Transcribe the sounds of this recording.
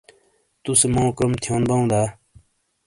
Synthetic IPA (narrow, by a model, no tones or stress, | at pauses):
t̪ʊsemõːkɾəmt̪ʰjoːnbaũːd̪aː